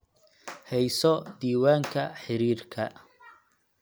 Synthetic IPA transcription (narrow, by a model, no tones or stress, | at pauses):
hɛjsɔd̪iːwaːŋkʰɐħɪɾiːrkʰɐ